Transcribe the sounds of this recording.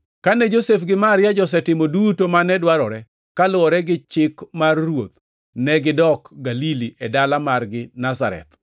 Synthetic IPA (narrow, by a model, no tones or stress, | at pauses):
kanɛd͡ʒosefɡɪmaɾjad͡ʒɔs̬ɛtɪmodutomanɛdwaɾɔɾɛ | kalʊwɔɾɛɡɪt͡ʃɪkmarːwot̪̚ | nɛɡɪdɔkɡaliliʔɛdalamarɡɪnasa̰ɾɛ̰t̪